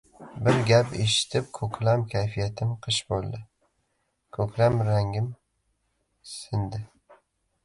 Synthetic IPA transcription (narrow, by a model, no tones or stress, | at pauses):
bɪɾɡʲapeʃɪ̥t̪ʰɪp̚kʰɵkʲlamkʲʰajfijat̪ʰɪmqʰɨʃbolˠd̪ɪ | kʰɵkʲʰlamɾaŋɡʲɪm | sɪnd̪ɪ